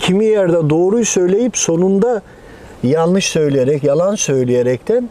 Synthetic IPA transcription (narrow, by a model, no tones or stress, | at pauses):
cʰimijæɾd̪ad̪o̞ːɾujsø̞jlʲe̞jipso̞nund̪a | jalˠnɯʃsø̞jlʲijeɾɛcjalˠansø̞jlʲijeɾɛct̪ʰæn